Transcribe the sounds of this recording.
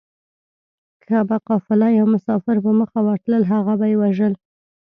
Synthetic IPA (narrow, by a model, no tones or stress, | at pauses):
kʰabaqɑfɪlɑjawmʊsɑfɪɾpəməxawɑʈləlɦaɣabajewaʒəl